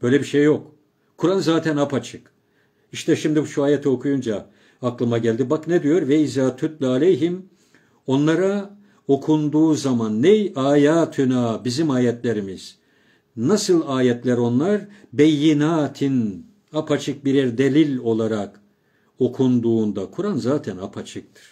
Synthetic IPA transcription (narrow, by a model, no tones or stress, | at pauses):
b̥ø̞jlʲɛbiʃejːo̞k | kʰuɾanzaːt̪ʰænapat͡ʃʰɯk | iʃt̪ʰɛʃimd̪ibʃuaːjɛt̪ʰɛo̞kʰujund͡ʒa | aklˠɯmaɟælʲd̪ibaknɛd̪ijo̞ɾvɛizaːt̪ʰːut̪lʲalʲejɦim | o̞nlˠaɾa | o̞kʰund̪uːzamanːejaːjaːt̪ʰynaːbizimaːjɛt̪lʲe̞ɾimiz̥ | nasɯlˠaːjɛt̪lʲæɾo̞nlˠaɾbɛjːinaːt̪ʰin | apʰat͡ʃʰɯk̚biɾiɾd̪e̞lʲilʲo̞lˠaɾak | o̞kʰund̪uːnd̪akʰuɾanzaːt̪ʰænapʰat͡ʃʰɯk̚t̪ʰɯ̥ɾ̥